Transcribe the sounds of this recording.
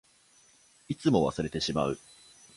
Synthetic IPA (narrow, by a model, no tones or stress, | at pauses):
it͡sɨmo̞βa̰sɨɾe̞t̪e̞ɕima̰ɯ̟